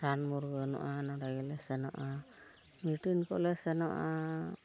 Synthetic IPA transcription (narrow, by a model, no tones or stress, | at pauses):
sanmuɾɡənɔ̰ʔanaɖaɡɛlɛsɛnɔ̰ʔa | miʈinkɔ̰ʔlɛsɛnɔʔa